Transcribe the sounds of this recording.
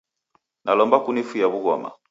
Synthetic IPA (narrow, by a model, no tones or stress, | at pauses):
nʔalɔmbakunifujaβuɣɔma̰